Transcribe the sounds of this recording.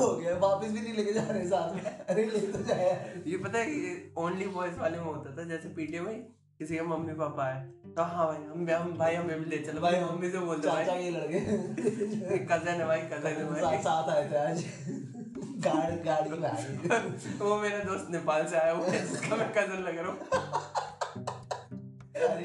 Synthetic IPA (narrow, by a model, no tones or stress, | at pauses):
oɡaʋaːpəs̬bʱinɐɦĩleːked͡ʒaːɾekesaːt̪ʰeɐɾeleːit̪od͡ʒaːjajepɐt̪aɛkioːnlibɔːɪsʋaːlemẽɦoːt̪at̪ʰad͡ʒɛːsepiːʈiəmɐĩ | kɪsikemɐmːipaːpaɛ | t̪oɦãbʱaːiɐmːɐbʱaːiɦɐmẽbʱileːt͡ʃɐlbʱaːimɐmːiseboːld̪ãat͡ʃaːielɐɽke | ekɐzenɐʋaːikɐzeneʋaːsaːt̪ʰaːet̪ʰeaːd͡ʒ | ɡaːɽɡaːɽiaː | ʋomeːɾad̪oːst̪nepaːlseaːjaʋoskamɛ̃kɐzəɾlɐɡɾaũ